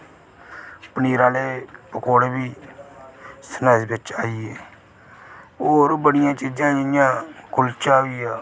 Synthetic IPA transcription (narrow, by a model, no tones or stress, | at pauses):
pəniːɾaːleːpəkʰoːɽebiː | sənaːsbɪt͡ʃaːiːeː | oːɾbəɽɪjãːt͡ʃiːd͡ʒãːɪjãːkʊlt͡ʃaːɦoiːjaː